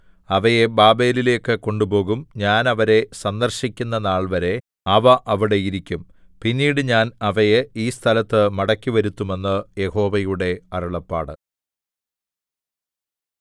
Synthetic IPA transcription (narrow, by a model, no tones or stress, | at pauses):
ɐʋɐje̞baːbe̞ːlile̞ːkːɨko̞ɳɖubo̞ːɣumɲaːnɐʋɐɾe̞sɐnd̪ɐrɕikʲːunːɐnaːɭʋɐɾe̞ | ɐʋɐʔɐʋiɽe̞jiɾikʲːum | pinːiːɽɨɲaːnɐʋɐjeiːst̪ʰɐlɐt̪ːɨmɐɽɐkʲːiʋɐɾut̪ːume̞nːɨje̞ho̞ːʋɐjuɽe̞ɐruɭɐpːa̰ːɽɨ